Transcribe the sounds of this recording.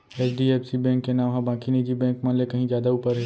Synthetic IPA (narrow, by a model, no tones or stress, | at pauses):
eːt͡ʃɖieːpsibɛ̃ːŋkːenãːmɦãbãːkineːd͡ʒibɛ̃ːŋkmãːnlekɐɦĩzjaːd̪auːpəɾɦɛ